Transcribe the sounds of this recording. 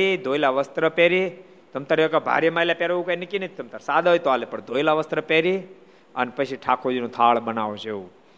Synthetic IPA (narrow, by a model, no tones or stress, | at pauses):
id̪ʱojlaʋəst̪ɾəpeɾi | t̪əmt̪əɾekabʱa̰ɾjəmailapeɾoũkajnikinət̪əmt̪əɾsad̪ʱajt̪oalepəɳd̪ʱoilaʋəst̪ɾəpeɾi | ənpət͡ʃʰiʈʰakʰod͡ʒinũt̪ʰaɭbənaʋot͡ʃʰeũ